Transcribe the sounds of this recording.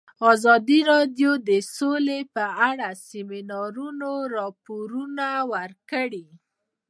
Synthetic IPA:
ɑzɑd̪iɾɑd̪jod̪əsolepəaɽasɪminɑɾunoɾɑpoɾunawəɾkəɽi

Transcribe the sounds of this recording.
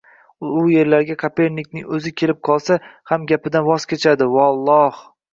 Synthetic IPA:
ʊje̞ɾlaɾɡʲakʰape̞ɾnːɪkʲnɪŋɵzɪkʲʰe̞lɪp̚qʰɒlˠsahamɡʲapɪd̪anvɒz̥kʲʰet͡ʃʰad̪ɪvɒlˠːɒh

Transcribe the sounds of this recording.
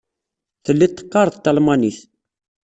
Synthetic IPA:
θəlːit̪ːə̥qːɑɾˤðt̪ːɑlmɑniθ

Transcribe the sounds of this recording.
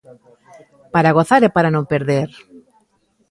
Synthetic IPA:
paɾaɣ̞oθaɾepaɾanõmpeɾðeɾ

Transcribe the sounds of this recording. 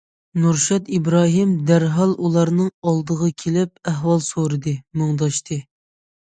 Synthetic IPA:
nuɾʃɑt̪ibɾɑːɦimd̪æɾɦɑlˠʔulˠɑɾnɨŋɑlˠd̪əʁɑkʲʰelɪp̚æɦwɑlˠsoɾɨd̪ɨmɨŋd̪ɑʃt̪ʰɨ

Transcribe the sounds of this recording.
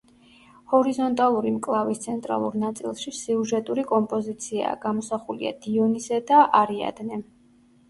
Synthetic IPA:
hɔɾizɔnt̪ʼalˠuɾimkʼlˠavist̪sʰɛnt̪ʼɾa̰lˠṵɾnat̪sʼḭlˠʃisiuʒɛt̪ʼuɾikʼɔmpʼɔzit̪sʰia̰ːɡamɔsaχulḭa̰d̪iɔnizɛd̪aʔaɾia̰d̪nɛ

